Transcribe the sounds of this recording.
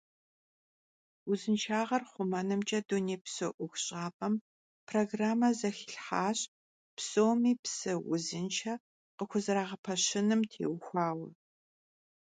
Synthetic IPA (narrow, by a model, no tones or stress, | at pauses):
wʊzɨnt͡ʃʰaːʁɐrχʷʊmɐnɨmt͡ʃʼɐduneːpsoʔʷʊxɕʼaːpʼɐm | pʰroɡraːmɐzɐxɪ̥ɬħaːɕ | psoːwmiːpsɨwʊ̰zɨnt͡ʃʰɐ | qəxʷʊzɨɾaːʁɐpʰɐɕɪnɨmtʰḛːwxʷaːwɐ